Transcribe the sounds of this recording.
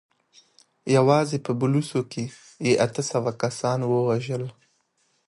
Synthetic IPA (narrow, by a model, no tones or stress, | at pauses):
jawɑzepəbʊlusoke | jeʔat̪əsawakasɑnwəwaʒəl